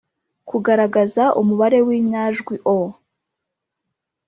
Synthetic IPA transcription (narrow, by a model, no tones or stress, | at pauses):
kuɡaɾaɡazaʔumuβaɾe̞wiːɲaːʒɡwiʔo